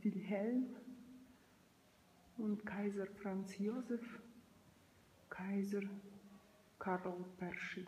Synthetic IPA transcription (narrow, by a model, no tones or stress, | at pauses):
vilɦɛlm | ʊntkʰaɪzəɾfʁant͡sjozɛf | kʰaɪzəɾ | kʰaɾɔlpɛʁʃi